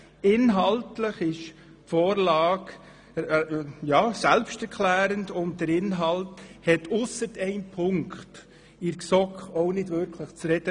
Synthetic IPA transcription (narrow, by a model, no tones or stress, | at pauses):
ɪnɦɑltləχɪʃ | fɔːɾlɑːkː | jɑːsɛlpʃtɛɾkʰlæːɾəndʊnt̚d̥əɾɪnɦɑlthɛtʊsəɾtɛɪnpʰʊŋkχt | ɪɾksɔkɔʊnɪdʋɵɾkʰləχt͡sɾɛd̥ə